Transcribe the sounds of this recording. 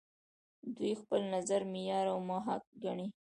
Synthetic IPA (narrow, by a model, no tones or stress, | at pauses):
d̪ujxpəlnazaɾmɪjɑɾawmɑɦak̚ɡaɳi